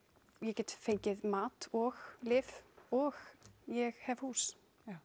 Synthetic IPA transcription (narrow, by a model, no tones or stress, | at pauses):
jɛcɛːt̪fejɲcɪðmaːt̪ɔɣlɪːvɔɣjɛɣhɛv̥huːs